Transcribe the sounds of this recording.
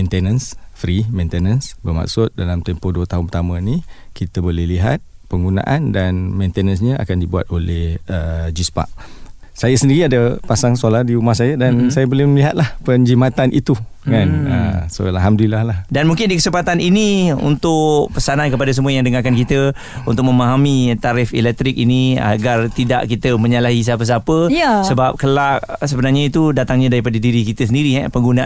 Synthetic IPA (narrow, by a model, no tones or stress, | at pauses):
mẽnt̪enə̃nsfɾimẽnt̪enənsbərma̰k̚sʊt̪̚dalamt̪ɛmpoduət̪aɦʊnpət̪amə̃nikit̪əbolɛhliɦa̰t̪̚ | pəŋɡuna̰ʔandanmẽnt̪enə̃ns̬ɲə̃a̰kandibuwa̰t̪̚olɛhəd͡ʒispa̰ʔ | sajasəndiɾiadəpasaŋsolahdiumahs̬ajədansajabolɛhməliɦat̪̚lahpəɲd͡ʒimat̪anʔḭt̪ukanə̰so̰a̰laɦamdulilahlahdanmũŋkɪndikəsəmpat̪aniniṵnt̪ʊʔpəsanankəpadas̬əmuajaŋdəŋakankit̪ə | unt̪ʊk̚məmaɦamit̪aɾɪfḭlɛk̚t̪ɾɪk̚inia̰ɡart̪idaʔkit̪əmə̃ɲalaɦis̬apəs̬apəsəbap̚kəlaʔsəbənarɲait̪udat̪aŋɲadaɾipadadiɾikit̪əsəndiɾiɦɛ̰pəŋɡunaʔ